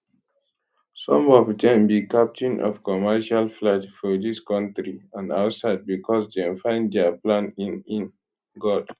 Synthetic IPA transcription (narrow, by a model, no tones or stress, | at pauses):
sɔ̃mɔvdɛ̃mbikap̚tʰĩnʔɔ̰vkɔmɛʃalflɛtfɔdiskɔ̃ntɹiãnaʊtsaɪd̚bikʰɔsdɛ̃mfãɪ̃nddɛəplãnĩnĩn | ɡɔd̥